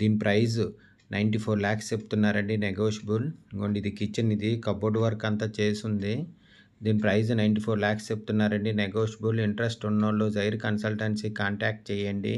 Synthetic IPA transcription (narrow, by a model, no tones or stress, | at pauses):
d̪iːnipɾɐjzu | nʔɐjɳʈipʰoːɾlaːkst͡ʃepːu̥t̪unːaːɾɐɳɖineɡoːʂbulɡoɳɖid̪ikit͡ʃːɐnid̪ikɐboɖʋɐɾkɐnt̪at͡ʃe̞ːsund̪i | d̪iːnipɾɐjznɐjɳʈipʰoːɾlaːkst͡ʃep̚ːut̪unːaːɾɐɳɖineɡoːʂɐbuliɳʈɾɐsʈunːɐloːd͡ʒɐjɾkɐnsɐlʈɐnsikaːɳʈaːk̚ʈ̚t͡ʃɛːjɐɳɖḭ